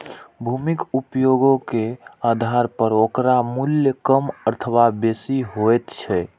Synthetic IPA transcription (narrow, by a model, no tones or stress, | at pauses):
bʱumikupjoɡokead̪ʱaɾpəɾokɾamuljəkəməɾt̪ʰəwabesiɦojt̪t͡ʃʰɛ